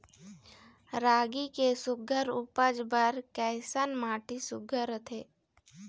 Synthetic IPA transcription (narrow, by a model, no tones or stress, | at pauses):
ɾaːɡikesʊɡʱəɾʊpəd͡ʒbəɾkɛːsənmaːʈisʊɡʱəɾət̪ʰeː